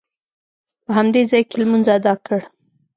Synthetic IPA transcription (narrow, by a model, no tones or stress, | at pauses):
pəɦamd̪ezɑjkelmunzad̪ɑkəɽ